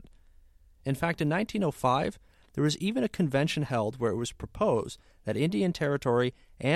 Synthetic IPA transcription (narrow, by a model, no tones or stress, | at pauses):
ɨ̃nfæk̚tɨ̃nːãɪ̃ntʰĩnoʊfaɪv | ðə˞ʌzivɨ̃ñɨkʰɨ̃ɱvɛ̃nʃɨ̃n̩hɛlˠd̚wə˞ɨʔ̚wʌz̥pʰɹ̥əpʰoʊz | ðɨɾɪ̃ndiɨ̃ntʰɛɹɨtʰɔɹiʔɨ̃